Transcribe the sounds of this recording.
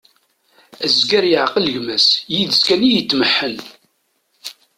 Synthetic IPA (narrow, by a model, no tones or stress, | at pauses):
æzɡæɾjəʕqəlʝmæsjiðəskænijət͡s̪ːməħːən